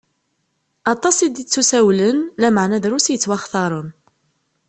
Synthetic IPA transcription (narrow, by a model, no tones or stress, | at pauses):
ɑt̪ˤːɑsˤid̪it͡sːusæwlənlæmaʕnæðɾusijət͡sːwæχθɑɾˤən